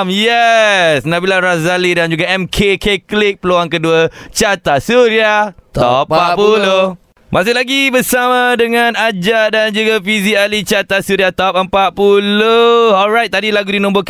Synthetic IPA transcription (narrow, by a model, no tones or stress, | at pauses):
mjɛsnabilaɾazalidand͡ʒuɡaɛmkʰekʰeklɪk̚pəloaŋkəduət͡ʃat̪asuɾiat̪ɔpapulo | mãs̬ɪhlaɡibəsamãdəŋãnad͡ʒaʔdand͡ʒuɡafizialit͡ʃat̪asuɾiat̪ɔp̚əmpaʔ̚puloɔlɹajt̪̚t̪ːadilaɡudinɔ̃mbok